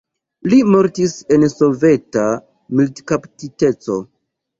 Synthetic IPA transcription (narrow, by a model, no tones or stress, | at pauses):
limo̞ɾtise̞nso̞ve̞ta | miltkaptite̞t͡so̞̰